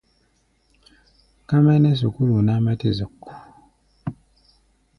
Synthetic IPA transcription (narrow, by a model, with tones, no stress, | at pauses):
ka˦mɛ˦nɛ˦s̬u˨ku˦lu˨na˦mɛ˦ti˦˨zu˨kːu̥˨